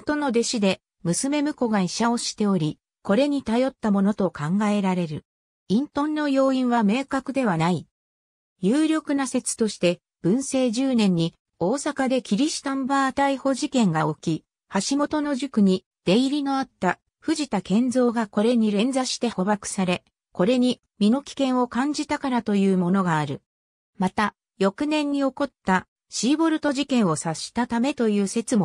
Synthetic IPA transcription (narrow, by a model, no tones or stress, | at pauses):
t̪o̞no̞d̪e̞ɕid̪e̞ | mɯ̟sɨme̞mɯ̟ko̞ɡaiɕao̞ɕi̥t̪e̞o̞ɾʲi | ko̞ɾe̞ɲ̟it̪ajo̞t̪ːamo̞no̞t̪o̞kãŋɡae̞ɾaɾe̞ɾɯ̟̰ | ĩnt̪õ̞nːo̞jo̞ːĩɰ̃βame̞ːkakɯ̟d̪e̞βanai | jɨːɾʲo̞kɯ̟nase̞t͡sɨ̥t̪o̞ɕi̥t̪e̞ | b̥ɯ̟̃ɰ̃se̞ːʑɨːnẽ̞ɲ̟ːi | o̞ːsakad̪e̞kʲiɾʲiɕi̥t̪ãmbaːt̪aiho̞ʑikẽ̞ŋɡao̞kʲi | haɕimo̞t̪o̞no̞ʑɨkɯ̟ɲ̟i | d̪̥e̞iɾʲino̞at̪ːa | ɸɯ̟ʑit̪akẽ̞nd͡zo̞ːɡako̞ɾe̞ɲ̟iɾẽ̞nd͡zaɕi̥t̪e̞ho̞bakɯ̟̥saɾe̞ | ko̞ɾe̞ɲ̟i | mʲino̞kʲi̥kẽ̞ɰ̃o̞kãɲ̟d͡ʑit̪akaɾat̪o̞jɯ̟ːmo̞no̞ɡaːɾɯ̟ | mat̪a | jo̞kɯ̟nẽ̞ɲ̟ːio̞ko̞t̪ːa | ɕiːbo̞ɾɯ̟t̪o̞ʑikẽ̞ɰ̃o̞saɕi̥t̪at̪ame̞t̪o̞jɯ̟ːse̞t͡sɨmo